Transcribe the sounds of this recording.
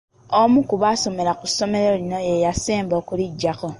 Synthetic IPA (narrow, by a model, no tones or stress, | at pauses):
omukuβaso̞me̞ɾakusomeɾolinojejaseːmboːkuliɟːako